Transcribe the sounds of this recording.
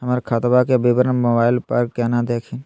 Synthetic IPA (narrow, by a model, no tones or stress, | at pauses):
ɦəmaːɾekʰaːt̪bakebɪbɾənmoːbaːɪlpəɾkɛːnad̪eːkʰin